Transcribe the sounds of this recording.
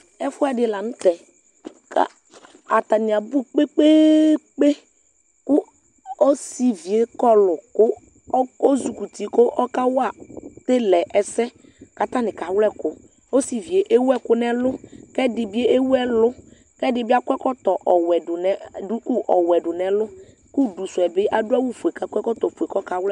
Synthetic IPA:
ɛ˦fʊ˦a˦dɪ˨la˨nʊ̃˦t̪ɛ˨ | ka̰˨ | a˨t̪a˨nɪ˨a˨bu˦k͡pe˦k͡pe˦k͡pe˦ | kʊ˦ | o˦si˨vi˨e˨˦kɔ˦lʊ˨kʊ˦ | o˦zu˨ku˨t̪i˨kʊ˦ʔɔ˦ka˦wa˨t̪e˦lɛ˨ʔɛ˨sɛ˦ | ka˦t̪ã˦nɪ̃˨ka˨wlɛ˦kʊ˦ | o˦si˨vi˨e˨ʔe˦wɛ˦kʊ˦nɛ̃˨lʊ˦kɛ˦dɪ˨bi˦e˦ʔe˦wɛ˦lʊ˦ | kɛ˦dɪ˨bi˦a˦kɛ˦kɔ˦t̪ɔ˨ʔɔ˨wɛ˨dʊ˨nɛ˦ʊ˦ku˦ʔɔ˨wɛ˨ɖʊ˨nɛ̃˨lʊ˦ | ku˦du˨sʊ˨ɛ˨bɪ˦ʔa˦dʊ˦a˦wu˦fu˨e˨ka˨kɛ˦kɔ˦t̪ɔ˨fu˨e˨kɔ˦ka˨wlɛ˦

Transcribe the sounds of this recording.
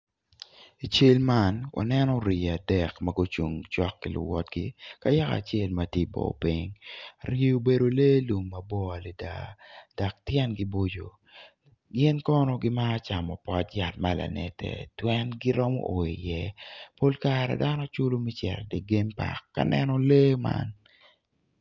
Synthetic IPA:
i˨t͡ʃe˦lma˦nwa̰˨nɛ˦nɔ˦ɾi˨a˨dɛ˨kmɐɡo˦t͡ʃu˨ŋt͡ʃɔ˦kːi˨lʊ̰˨wɔ˦t̚ɡi˦ka˦ja˦ka̰˨t͡ʃe˦˨lmɐti˦bo̰˨pi˦ŋɾi˦o˨be˨ɾo˨le˦lu˨mːɐ˨bɔ˦a˨le˨da̰˨da˨k̚tjɛ˦nɡi˦bo˦d͡ʒo˨ | ɡɪ˦nkɔ˦nɔ˦ɡɪ˦ma˦t͡ʃa˨mɔ˨pɔ˦tja˨t̚ma˦la̰˨nɛ̰˨tɛ̰˨twɛ˦nɡi˦ɾɔ˦mɔ̰˦ʔo˨i˨jɛ˦po˦lkaɾɛ̰˨da˦nɔ˦t͡ʃʊ˦lo˦mi˦t͡ʃɛ̰˨ɾdɛ˨ɡe˦mpa̰˨kːa̰˦nɛ˦nɔ˦leː˦ma̰˦n

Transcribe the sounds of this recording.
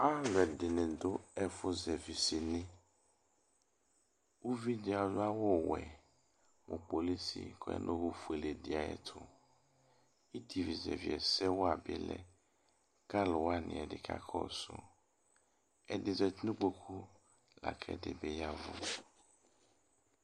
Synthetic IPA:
a˦lɛ˨dɪ˨nɪ̃˨dʊ˦ɛ˦fʊ˦zɛ˨vi˨sɪ˨nɪ̃˦ | wo˦vi˦dɪ˨a˨lʊ˦a˦wɔ˦wɛ̰˨ | mʊ˨k͡po˨li˦sḭ˨kʰɔ˨ɛ̰˦nʔõ˦hʊ˦fu˨e˨le˨dɪ˨a˨jɛ̰˦t̪ʰʊ˦ | i˦t̪ʰi˨vi˨zɛ̰˨vi˨ɛ˨sɛ˦wɔ˦a˨bɪ˦lɛ̰˦ | ka˦lʊ˨wa˦nɪ̰̃˨ɛ˨dɪ̰˨kʰa̰˦kʰɔ̰˦sʊ̰˦ | ɛ˨dɪ˨zɛ˨t̪nũ˦k͡po˦kʰu˦ | la̰˨kʰɛ̰˨dɪ̰˨bɛ˦ja˦vʊ̰˦

